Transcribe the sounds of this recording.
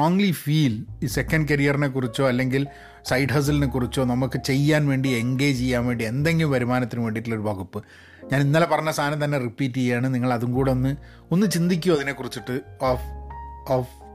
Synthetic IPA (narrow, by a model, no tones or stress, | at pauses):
oːŋlifiːliːse̞kːɐnɖkɐɾijɐrinek̬ːurit͡ɕːo̞ːɐlːe̞ŋɡil | sɐjɖɦɐws̬ɐlinekːurit͡ɕːo̞ːnɐmukːɨt͡ɕe̞jːaːnʋe̞ːɳɖieŋɡe̞ːjt͡ɕt͡ɕejːaːnʋe̞ːɳɖie̞nd̪e̞ŋɡilumʋɐɾumaːnɐt̪ːinuʋe̞ːɳɖiʈːulːo̞ɾubʱɐɣupːɨ | ɲaːninːaːlepɐrɐɲːɐst̪ʰaːnɐmt̪ɐnːe̞ripːiːtːiejaːɳɨniŋːɐɭɐðuŋkuːɽeonːɨ | o̞nːɨt͡ɕind̪ik̬ʲːuɐðine̞kːurit͡ɕːiʈːɨofoːf